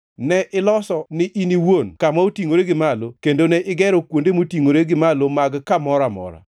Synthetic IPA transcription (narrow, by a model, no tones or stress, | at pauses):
nɛʔɪlɔsɔnɪʔiniwonkamaotiŋoɾeɡɪmalokendonɛʔɪɡɛɾɔkwondemotiŋoɾeɡɪmalomaɡkamɔɾamɔ̰ɾa̰